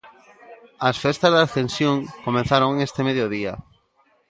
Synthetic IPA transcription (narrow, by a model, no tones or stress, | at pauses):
asfest̪azðaθẽnsjõŋkomẽn̟θaɾoŋest̪emeðjoðia̰